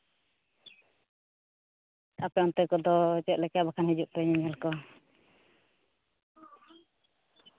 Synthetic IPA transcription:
apɛɔnt̪ɛkɔd̪ɔt͡ʃɛt̪̚lɛkabakʰanɦid͡ʒuʔ̚p̪ɛɲiɲɛlkɔ

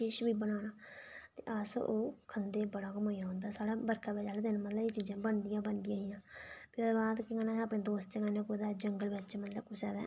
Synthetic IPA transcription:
ʃeːʃbiːbənaːnaːt̪ḛːʔəsoːkʰənd̪eːbəɽaːkəmoːjaːɦʊ̃nd̪aːsaːɽaːbəɾkʰaːbɛːd͡ʒaːlːd̪ɪnmət̪ləbeːt͡ʃiːzãːbəɳd̪ɪjãːbəɳd̪ɪjãːɦiːjãːpɪːbaːd̪kɪkaːnãːaːpɳẽːd̪oːst̪ekanẽːkoːd̪aːd͡ʒəŋɡəlbɪt͡ʃmət̪ləbkʊsɛːd̪a̰ː

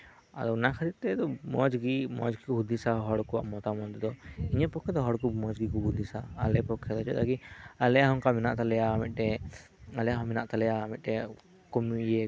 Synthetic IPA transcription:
a̰ɾɔwnakʰaɾit̪ɛt̪ɔmɔd͡ʒɡimɔ̰d͡ʒɡikuɦud̪isaɦɔɽkua̰ʔmɔt̪amɔd̪d̪ɔiɲapɔkʰːɛd̪ɔɦɔɽkumɔd͡ʒɡikuɦud̪isa̰ːlɛpɔkʰːɛd̪ɔt͡ʃɛ̰t̪akialɛaɦɔŋkaminaʔt̪alɛjaːmit̪̚ˀʈɛalɛɦɔminaʔt̪alɛjaːmit̪̚ʈɛ | kɔmujɛ

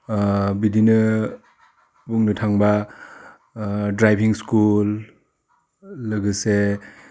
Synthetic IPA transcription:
bidinɯ | buŋnɯtʰaŋba | dɾajbiŋskul | ɯɡɯse

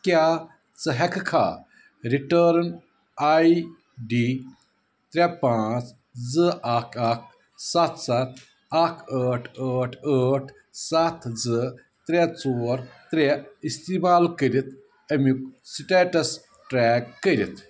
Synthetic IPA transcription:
kʲjaː | t͡sɐɦɐkkʰa̰ː | ɾiʈəːɾn | aːi | ɖi | t̪ɾʲepãːt͡s | d͡zɨakʰak̚ʰ | sat̪ʰsat̪ʰ | akʰəːʈʰəːʈʰəʈʰ | sat̪ʰd͡zɨ | t̪ɾʲet͡soːɾt̪ɾʲeist̪iːmaːlkəɾit̪ʰ | ɐmiksiʈeːʈɐs | ʈɾɛːkːəɾit̪ʰ

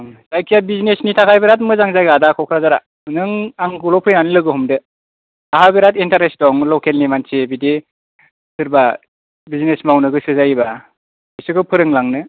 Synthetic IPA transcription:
sajkʰijabizinesnitʰakʰajbeɾat̬̚mɯzaŋzajɡadakʰɔkʰɾazaɾa | nɯŋaŋɡulɔpʰɯjnanilɯɡɯɦɔmdɯ | aɦabeɾatintaɾesdɔŋlɔkʰelnimansebide | sɯɾba | bizinesmawnɯɡɯsɯzajba | isɯkʰɯpʰɯɾɯŋlaŋnɯ

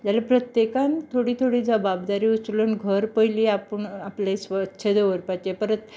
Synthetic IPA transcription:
d͡ʑalapɾət̪jekant̪ʰoɽiːt̪ʰoɽiːd͡zəbabd̪aɾiːut͡slənɡʱəɾpəjliːapəɳaplesətːɕʰed̪oʋəɾpat͡ɕepəɾət̪̚

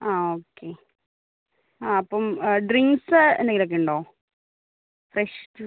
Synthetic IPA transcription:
aːoːkːe | aɐpːomɖriŋɡsɨḛnd̪ɐŋɡilokːeɳɖoː | freʂ

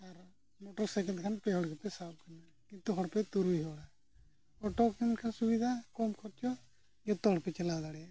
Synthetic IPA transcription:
aɾ | moʈɔɾsɛkɛ̃nd̪̚kʰanpɛɦɔɽɡɛpɛsab̚kana | kint̪uɦɔɽpɛt̪uɾiɦɔɽa | ɔʈɔkinkʰansubid̪ʱakɔmkʰɔɾt͡ʃʰɔ | d͡ʒɔt̪ɔɦɔɽpɛt͡ʃɛlad̪aɽɛa

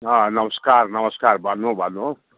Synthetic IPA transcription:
ʌnʌmʌskarnʌmʌskarbʱʌnːubʱʌnːu

